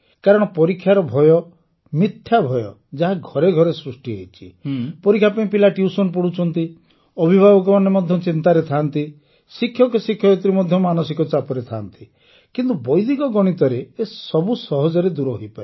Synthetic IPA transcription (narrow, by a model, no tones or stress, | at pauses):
kaɾɔɽ̃ɔpɔɾikʰːjaɾɔbʱɔjɔ | mit̪ʰːjabʱɔjɔ̰ | d͡ʒaɦaɡʱɔɾeɡʱɔɾesɾusʈiɦejt͡ʃʰi̥pɔɾikʰːjapaĩpilaʈjusɔnpɔɽut͡ʃʰɔnt̪i | ɔbʱibʱabɔk̬ɔmɔnemɔd̪ʱjɔt͡ʃint̪aɾet̪ʰant̪i | sikʰːjɔkesikʰːjɔet̪ɾimɔd̪ʱjɔmanɔsikɔt͡ʃapɔɾet̪ʰant̪i | kint̪ubɔjd̪ikɔɡɔɽ̃it̪ɔɾeːssɔbusɔɦɔd͡ʒɔɾed̪uɾɔɦojpaɾe